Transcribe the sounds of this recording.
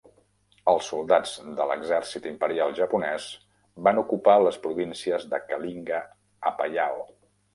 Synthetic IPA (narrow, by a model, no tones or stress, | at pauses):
əlˠsːulˠd̪ad͡zd̪ələ̰ɡzɛrsit̪impəɾialˠʒəpunɛz | banukupaləspɾuβinsiəzðəkəliŋɡə | əpəʎao